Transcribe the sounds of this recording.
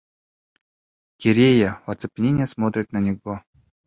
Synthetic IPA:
kʲɪɾʲejəvɐt̪sɨ̥pʲnʲenʲɪjəsmot̪ɾʲɪt̪nɐnʲɪɡo

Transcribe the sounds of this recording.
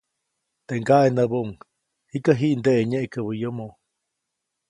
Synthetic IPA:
t̪eʔŋɡaʔenəboʔŋ | hikəɦiʔnd̪eʔeɲeʔkəβəjomo

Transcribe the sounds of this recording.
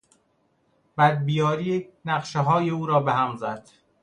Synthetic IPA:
b̥æd̪̚bijɒːɾiːnæɢʃeɦɒːjeuːɾɒːbehæmzæd̪̥

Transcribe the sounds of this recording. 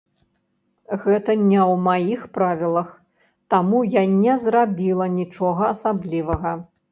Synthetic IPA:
ɣɛt̪ɐnʲɛwmajixpɾavʲilˠɐx | t̪amujanʲɛzrabʲilˠɐnʲit͡ʂɔɣɐːsablʲivɐɣɐ

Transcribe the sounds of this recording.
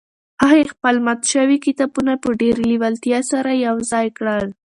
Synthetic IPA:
aexpəlmat̪ʃəwikit̪ɑbunapəɖeɾliwalt̪jɑsaɾajawzɑjkɽəl

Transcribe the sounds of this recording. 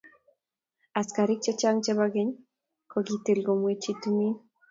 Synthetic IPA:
askaɾik̚t͡ʃet͡ʃaŋt͡ʃeβaɡeɲ | koɡit̪elɡomwet͡ʃit̪umin

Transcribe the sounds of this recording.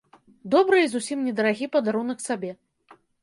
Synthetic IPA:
d̪ɔbɾɨizusʲimnʲɛd̪ɐɾaɣʲipɐd̪aɾunɐksabʲɛ

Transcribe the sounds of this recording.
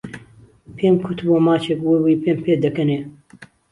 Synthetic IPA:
pʰeːmkʰʊt̪boːmaːt͡ʃʰekwewiːpeːmpʰeːd̪əkɨneː

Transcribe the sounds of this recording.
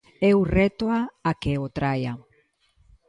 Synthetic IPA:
ɛwrɛt̪oaakeot̪ɾaja

